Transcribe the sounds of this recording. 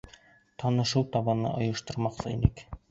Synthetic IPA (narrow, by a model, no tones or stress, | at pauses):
t̪ʰɑnɤ̆ʃɤwt̪ɑβɑnɤ̰ʔŏjɤ̆ʃt̪ɤ̆ɾmɑqsɤḭnɘk